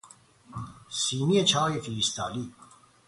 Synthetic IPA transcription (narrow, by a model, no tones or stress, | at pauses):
siːnijet͡ʃʰɑːjefiɾist̪ʰɑ̰ːliː